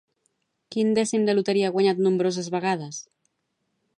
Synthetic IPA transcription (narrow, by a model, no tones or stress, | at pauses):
kind̪ɛsimd̪elut̪eɾiaɣwaɲat̪nũmbɾos̬azβaɣað̞as